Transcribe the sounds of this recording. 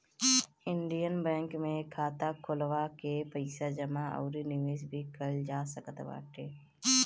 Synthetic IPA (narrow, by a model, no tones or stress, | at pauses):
ɪɳɖijənbɛ̃ːŋkmẽkʰaːt̪akʰʊlʋakepəɪsad͡ʒəmaɔ̰ːɾinɪʋeːʃbʱikəld͡ʒaːsəkət̪ba̰ːʈeː